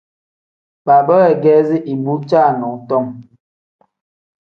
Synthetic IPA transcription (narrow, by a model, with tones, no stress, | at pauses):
ɓa˨bə˦ɛ˨ɡɛː˦zi˦ʔi˨bu˦t͡ʃa˦˨nɔ˨ŋtɔ˦˨m